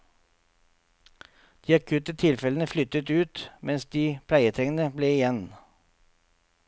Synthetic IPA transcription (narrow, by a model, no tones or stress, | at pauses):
d̪̥iːɑkʰʉːt̪ət̪ʰɪlfɛlənəflʏt̪ət̪ʉːt̪mʔɛnsd̪iːpʰlæɪət̪ʰɾɛŋənəbleːɪjɛn